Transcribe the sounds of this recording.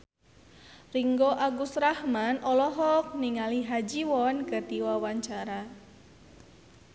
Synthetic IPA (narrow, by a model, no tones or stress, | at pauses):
riŋɡoʔaɡusrahmanɔlɔɦɔk̚niŋaliɦad͡ʒiwɔnkərt̪iwawaɲt͡ʃaɾa